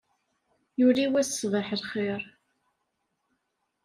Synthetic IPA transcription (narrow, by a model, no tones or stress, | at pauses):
juliwæsːvˤəħəlχeɾˤ